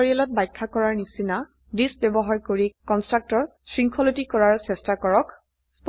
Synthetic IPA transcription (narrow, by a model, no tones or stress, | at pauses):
ɹialɔt̚bajkʰːakɔɹaɹnisina | disbɛbɔɦaɹkoɹikɔnstɹak̚tɔɹsɹiŋkʰɔlotikɔɹaɹsɛstakɔɹɔk | sp